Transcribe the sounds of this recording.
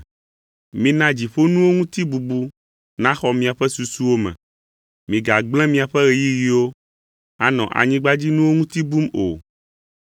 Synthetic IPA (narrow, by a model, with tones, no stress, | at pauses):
mĩ˦nã˦d͡ʑi˨ɸo˦nũ˦wo˦ŋũ˦t̪i˦bu˨bu˦ | nã˦xɔ˦mĩ˨a˨ɸɛ˦su˨su˦wo˦mɛ̰̃˨ | mĩ˨ɡa˨ɡ͡blɛ̃˦mĩ˨a˨ɸɛ˦ɣe˨ji˦ɣi˦wo˦ | a˦nɔ̰̃˨ʔa̰˨ɲĩ˦ɡ͡ba˦d͡ʑi˦nũ˦wo˦ŋũ˦t̪i˦bu˦mo˨